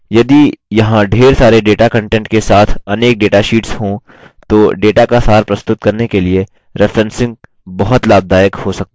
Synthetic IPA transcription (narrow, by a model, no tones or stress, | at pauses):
jɐd̪ijɐɦãɖʱeːɾsaːɾeɖeːʈakɐ̃ɳʈɛ̃ɳʈkesaːt̪ʰɐneːk̚ɖeːʈaʃiːʈsɦõ | t̪oːɖeːʈakasaːɾpɾɐst̪ʊt̪̚kɐɾnekelie | ɾɪfɾɛ̃nsɪ̃ŋɡ̚ | bɐɦʊt̪laːb̚d̪ʱaːjəkhosɐk̚t̪ː